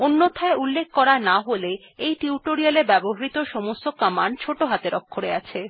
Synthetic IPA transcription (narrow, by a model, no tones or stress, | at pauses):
onːot̪ʰaeʔulːek̚ʰkɔɾanaɦole | ejʈiuʈoɾialeɾbɛboɦaɾit̪oʃɔmost̪okamant͡ɕʰoʈoɦat̪eɾɔkʰːoɾeat͡ɕʰe